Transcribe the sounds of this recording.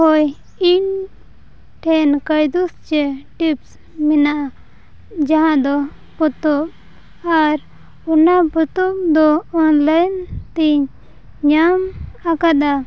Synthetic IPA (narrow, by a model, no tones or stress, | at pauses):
ɦɔj | in | ʈʰɛnkəjd̪ust͡ʃeʈips | minaʔa | d͡ʒaɦãʔd̪ɔ | pɔt̪ɔɓ | aɾ | unabut̪upd̪ɔːnlajnt̪iɲ | ɲamakad̪a